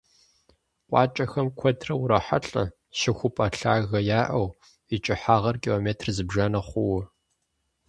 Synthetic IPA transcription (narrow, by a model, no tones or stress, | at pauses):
qʷʼɑ̰ːt͡ʃʼɐxɐmkʷʰɔdʰrɐwʊɾɐħa̰ɬʼɐ̰ | ʃɪxʷʊpʼɐɬa̰ːɣɐjaːʔɐw | it͡ʃʼɪħaːʁɐrkʼiloːmeːtʰrzɨbʒanɐχʷʊwʊ